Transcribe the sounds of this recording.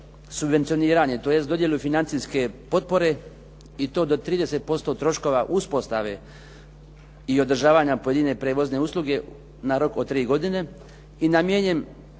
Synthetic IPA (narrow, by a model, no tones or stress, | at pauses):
subʋe̞nt̪sio̞niːɾaɲe̞t̪o̞ːje̞st̪o̞d̪je̞lʲˠufinant̪siske̞po̞t̪̚po̞ɾe̞ | it̪o̞ːd̪o̞t̪ɾiːd̪e̞set̪̚po̞st̪o̞t̪ɾo̞ʃko̞ʋaʔuspo̞st̪aʋe̞̰ | io̞d̪r̩ʒaːʋaɲapo̞je̞d̪ine̞pɾe̞ːʋo̞zne̞uslˠuɡe̞ | naɾo̞kot̪ɾiːɡo̞d̪ine̞ | inamjeɲem